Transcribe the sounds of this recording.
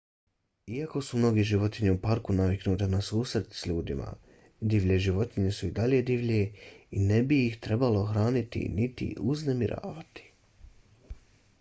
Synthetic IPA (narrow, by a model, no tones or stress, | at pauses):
iako̞sumno̞ɡeʒiʋo̞t̪iɲeupaɾkunaʋiknuːt̪e̞nasuːsɾrt̪sʎuːd̪ima̰ | d̪iʋʎeʒiʋo̞t̪iɲe̞suid̪aʎe̞d̪iʋʎeine̞bijixt̪ɾe̞balo̞xɾaːnit̪ḭnit̪ḭuznemiɾʔa̰ːʋat̪i̥